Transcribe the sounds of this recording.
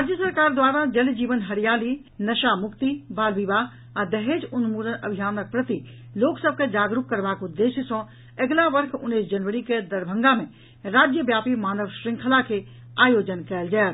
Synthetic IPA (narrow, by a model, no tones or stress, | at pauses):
ɾad͡ʒjəsəɾkaːɾd̪waːɾad͡ʒəld͡ʒiːʋənɦəɾijaːli | nəʃamʊkt̪ibaːlʋiba | ad̪əɦed͡ʒunumuɾənə̰bʱijaːnək̚pɾət̪i | loːksəb̚ʱked͡ʒaːɡɾup̚kəɾbakud̪ːeʃjəsɔ̃ | əɡlaʋəɾkʰʊ̰nːisd͡ʒənʋəɾiked̪əɾbʱə̃ŋɡamẽ | ɾaːd͡ʒjəbjaːpimaːnəʋʃɾɪ̃ŋkʰlake | aːjoːd͡ʒənkɛːld͡ʒael